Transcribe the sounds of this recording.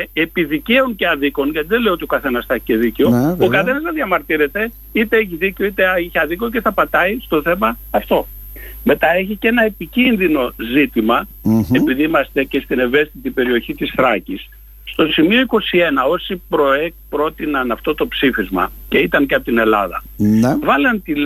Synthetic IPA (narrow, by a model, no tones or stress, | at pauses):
epiðice̞uŋceɐðiko̞nʝɐt̪iðeleio̞t̪io̞kɐθe̞nɐsθɐeçi̥ce̞ðiceookɐθe̞nɐznɐðjʝɐmɐɾt̪iɾe̞t̪e̞ | it̪e̞eçiðiceo̞it̪eeçiɐðikoce̞θɐpɐt̪ɐist̪o̞θe̞mɐːft̪o̞ | me̞t̪ɐe̞çice̞nɐe̞picinðino̞zit̪imɐepiðiimɐst̪e̞ce̞st̪ine̞ve̞st̪it̪ipe̞ɾio̞çit̪isθɾɐcisː | t̪o̞simio̞iko̞sie̞nɐo̞sipɾo̞ekpɾo̞t̪inɐnɐft̪o̞t̪o̞psifizmɐ̰ce̞it̪ɐnceɐpot̪ine̞lɐ̰ðɐ̰ | vɐlɐnt̪i